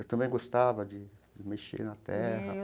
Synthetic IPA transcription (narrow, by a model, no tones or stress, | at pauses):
ewt̪ɐ̃mbɛ̃j̃ɡost̪avɐd͡ʒ̪ɪ | d͡ʒɪmeʃḛɾnat̪ɛhɐ